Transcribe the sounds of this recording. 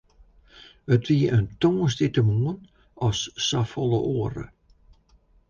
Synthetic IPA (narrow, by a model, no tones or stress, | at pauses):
ətʋiəʔəntoːsditəmuən | ɔsːafɔlˠəʔoərə̰